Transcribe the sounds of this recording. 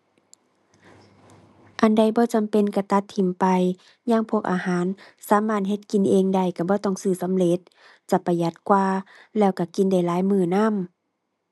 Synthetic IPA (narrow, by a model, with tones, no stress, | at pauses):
ʔa˨nda˧˩jbɔː˧˦t͡ɕa˧˨mpe˧˨nka˧˩t̪a˧˦t̪ʰːi˧˩mpa˨j | ɲaː˧˥˨ŋpʰu˧ək̚ʔaː˧haː˨˦nsaː˨˦maː˧˩t̪̚ɦe˧˦t̪̚ki˧˨nʔeː˧ŋda˧˩jka˧˩bɔː˧˦t̪ɔ˧˩ŋsɯː˧˩sa˧˦mle˧˦t̪̚ | t͡ɕa˧˦pa˧˩ja˧˦t̪̚kwaː˧lɛː˧˩wka˧˩ki˧˨nda˧˩˨jlaː˨˦jmɯː˧˩na˧˥˨m